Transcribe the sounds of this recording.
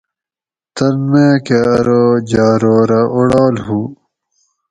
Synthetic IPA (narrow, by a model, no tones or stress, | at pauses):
t̪ɐlmẽːkeɐɾod͡ʑaːɾoːɾɐʔoɽaːlɦuː